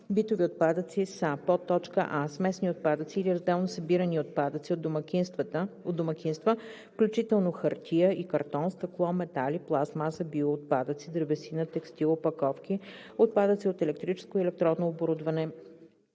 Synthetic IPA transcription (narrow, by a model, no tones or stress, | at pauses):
bit̪oviot̪̚pad̪ət̪sisəpɔt̪ːɔt͡ʃkə̰ʔasmɛsniot̪̚pad̪ət̪siːliɾɐzd̪ɛlˠnosəbiɾəniopad̪ət̪siomkiod̪d̪omɐkʰʲinst̪vəfklʲut͡ʃit̪ɛlˠnoxəɾt̪ʰʲijəikɐɾt̪ɔnst̪ɐklˠɔmɛt̪aliplˠasmasəbioːt̪̚pad̪ət̪sid̪ɾbɛsinət̪ɛkst̪ilˠopɐkɔfk̟i | ot̪̚pad̪ət̪siot̪ɛlɛk̚t̪ɾit͡ʃɛ̥skoiɛlɛk̚t̪ɾɔnnoːboɾud̪vɐnɛ